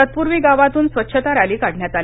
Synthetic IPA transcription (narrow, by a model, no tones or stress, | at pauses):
ət̪̚puɾʋiːɡaʋat̪uːnsʋət̪ːɕʰət̪aɾaliːkaɽɳjat̪al